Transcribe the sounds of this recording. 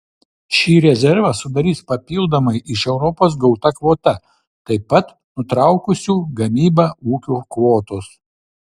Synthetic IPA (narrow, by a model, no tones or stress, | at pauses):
ʃʲiːɾʲɛzʲɛɾʋɐsʊd̪ɐɾʲiːspɐpʲiːlˠd̪ɐmɐɪʔɪʃɛʊɾɔpoːs̬ɡɒʊt̪ɐkʋoːt̪ɐ | t̪ɐɪpɐt̪ | nʊt̪ɾɑˑʊkʊsʲuːɡɐmʲiːbɐuːkʲuːkʋoːt̪ʊs